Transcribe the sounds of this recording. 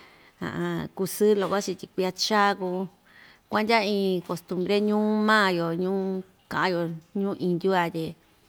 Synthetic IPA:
ã̰˨ʔã˧ku˧sɨ˦lo˨kʷa˦t͡ʃi˧t̪ʲi˧kʷi˧a˧t͡ʃa˦˧ku˧ | kʷã˦nd̪ʲa˦ĩː˧ko˨st̪ũ˧mbɾe˦ɲũː˦mãː˦˧jo˨ɲũː˦ | kã˨ʔã˧jo˧ɲũː˦ʔĩ˧nd̪ʲu˦a˧t̪ʲe˧

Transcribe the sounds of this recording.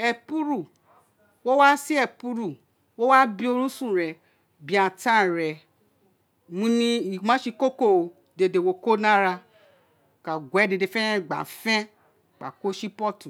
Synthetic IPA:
ɛ˧pu˦ɾu˦˨ | wo˦wa˦si˦ɛ˧˨pu˧ɾu˨ | wo˦wa˦bi˧o˧ɾũ˦sũ˦˨ɾɛ˨ | bi˨˦ã˨tã˦˨ɾɛ˨ | mũ˦nĩ˦i˨mã˦ʃi˧ko˦ko˦˨ | de˧de˨wo˧ko˦nã˦ɾa˧˨ | ka˨ɡʷɛ˨˦de˧de˧˨fɛ̃˦ɛ̃˦˨ɡ͡ba̰˨˦fɛ̃˦ | k͡pa̰˨ko˦ʃi˦pɔ˦˨tu˨

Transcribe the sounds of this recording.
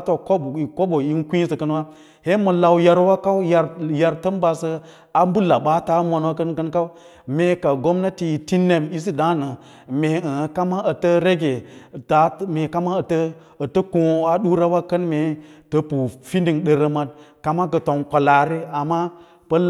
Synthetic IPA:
to˨ko˦˨ko˦bo˨ji˦nkʷĩ˦sə˨kə˦n˦wa˦ | he˦mə˨la˨wja˦ɾwa˦ka˦wja˨ɾja˨ɾtə˦nba˨sə˦ | a˦m˦bu˦la˨ɓa˦ta˦ma˨nwa˦kə˦nkə˦nka˦w | me˨ka˨ɡo˦mna˦ti˨i˨ti˦ne˨mi˦s̬i˦da˦nə˨ | me˨ə˨˦ka˦ma˦ə˨tə˦ɾe˦ɡe˨ta˨˦me˨ka˦ma˦ə˨tə˦ | ə˨tə˦kõ˦a˦ɗu˦ɾa˦wa˦kə˦nme˨tə˦pu˨fi˦ndi˨ŋɗə˨ɾə˦ma˦t̚ka˨ma˦ɡə˨to˨ŋkʷa˨la˨ɾi˦a˨ma˦ | pə˦l

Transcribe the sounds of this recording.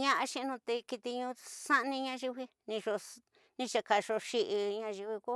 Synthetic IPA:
ɲã˦ʔa˧ʃĩ˦˧nũ˧t̪e˧ki˧t̪i˧ɲũ˧sa˦ʔnĩ˧ɲã˧ʒi˧βi˧ | nĩ˧ʒo˧ | nĩ˧t͡ʃa˧ka˨ʃo˧ʃi˧ʔi˧ɲã˧ʒi˧wi˧ku˦

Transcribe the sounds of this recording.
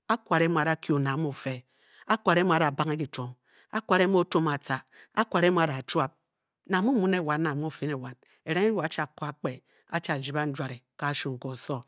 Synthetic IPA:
a˦kwa˨ɾe˦m˦˨a˨da˨˦kjo˨na˨˦m˦u˨fe˨˦ | a˦kʷa˨ɾe˦mo˨a˨da˨ba˦ŋ˦e˦ki˨to˨ŋ | a˦kʷa˨ɾe˦m˦o˦to˦ma˨ta˨a˦kʷa˨ɾe˦mo˦a˦da˨t͡ʃwa˦p̚ | na˨mu˦mu˦ne˦˨wa˨nːa˨m˦o˦˨fi˦ne˨wa˨n | e˨ɾe˦ŋe˦ɾa˦t͡ʃa˨ko˦a˦k͡pe˨ | a˦t͡ʃa˨d͡ʒi˨ba˦n̩˦d͡ʒʷa˨ɾe˨ka˨˦ʃu˨ŋ̩˨ko˨so˦

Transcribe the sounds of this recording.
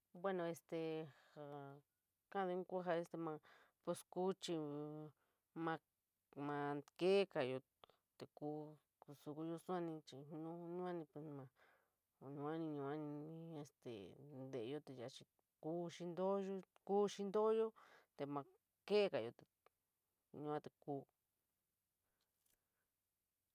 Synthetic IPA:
bwe˦nõ˧e˧st̪e˨ha˧˨ | kã˦˧d̪ẽ˧˦ku˦ɦa˧e˧st̪e˧mã˧ | pe˧sku˦t͡ʃi˧ | mã˧ | mã˧ke˦ka˨jo˧ | t̪e˨kuː˦ | ku˧su˧ku˧jo˧su˦ã˦nĩ˧t͡ʃi˧˨˧nũ˦˧ɲũ˦a˦nĩ˧pe˧smã˧ | ɲũ˧a˦nĩ˧ɲũ˧ã˦nĩ˧ĩ˧e˧st̪ḛ˨nd̪e˨ʔjo˧t̪e˧ja˧˨t͡ʃi˧ | kuː˦ʃi˧nd̪o˦jo˦ | kuː˦ʃi˦nd̪o˦jo˦t̪e˧mã˧ | ke˦ka˨jo˧t̪e˨ | ɲũ˧ã˦t̪e˧˨kuː˦

